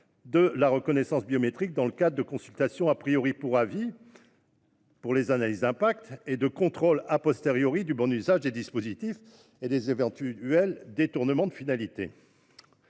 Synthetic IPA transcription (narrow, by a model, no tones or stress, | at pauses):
d̪əlaʁəkɔnɛsɑ̃sbiɔmet̪χik̚d̪ɑ̃ləkad̪ʁəd̪əkɔ̃sylt̪asjɔ̃apχijɔʁipuʁavi | puʁlezanalizɛ̃pak̚t̪ed̪əkɔ̃t̪χolapɔst̪eʁjɔʁid̪ybɔ̃nyzaʒd̪ed̪ispozit̪if | ed̪ezevɑ̃t̪yɛld̪et̪uʁnəmɑ̃d̪əfinalit̪ḛ